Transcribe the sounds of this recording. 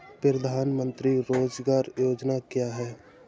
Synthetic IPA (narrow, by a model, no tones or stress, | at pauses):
pɾəd̪ʱaːnmə̃nt̪ɾiɾoːd͡ʒɡaːɾjoːd͡ʒnakjaːɦɛː